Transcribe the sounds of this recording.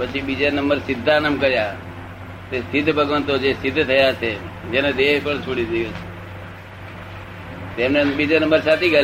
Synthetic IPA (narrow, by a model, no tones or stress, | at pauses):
pət͡ʃʰibid͡ʒanəmbəɾsɪd̪ʱːanəmkəɾja | t̪est̪ʰɪt̪bʱəɡʋənt̪od͡ʒest̪ʰɪt̪ːt̪ʰəjat͡ʃʰed͡ʒened̪eɦpəɳt͡ʃʰoɽid͡ʒeɡot͡ʃʰe̥ | t̪emnebid͡ʒanəmbəɾsat̪ʰikə